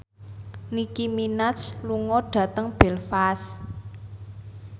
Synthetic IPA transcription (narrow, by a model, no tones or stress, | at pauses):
nikiminat͡ʃluŋɔɖ̥ä̤t̪əŋb̥ɛ̤lfas